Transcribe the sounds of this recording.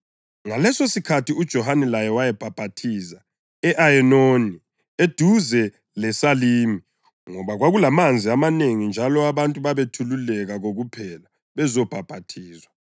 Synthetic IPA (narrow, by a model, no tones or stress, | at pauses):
ŋalɛsosikʰatʰiud̥ʒ̥ʱɔhanɛlajɛwajɛb̥ʱab̥ʱatʰiza | ɛʔaɛnoni | ed̥ʱuzɛ | lɛsaliːmi | ŋɔβaɣwaɣulamand͡zʱiamaneŋind͡ʒʱalɔaβantʼuβaβetʰululɛɣaɣoɣupʰɛla | βɛzɔb̥ʱab̥ʱatʰiːzwa